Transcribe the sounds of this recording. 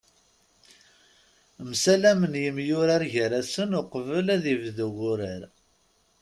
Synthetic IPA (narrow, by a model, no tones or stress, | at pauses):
msælæmənjəmjʊɾaɾʝəɾæsənʊqvəlæðivðəɣʊɾəɾ